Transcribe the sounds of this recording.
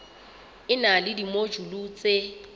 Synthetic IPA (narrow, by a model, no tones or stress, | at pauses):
ɪnalɪdimod͡ʒulut͡sʼe